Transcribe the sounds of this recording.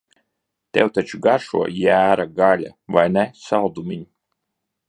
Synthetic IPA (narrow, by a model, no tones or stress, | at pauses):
t̪ɛwt̪at͡ʃuɡaɾʃṵɔjæːɾaɡalʲa̰vajnɛsald̪umʲiɲ